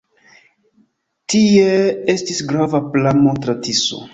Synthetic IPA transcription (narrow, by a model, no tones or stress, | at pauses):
tiee̞stisɡɾavaplamotɾatiso̰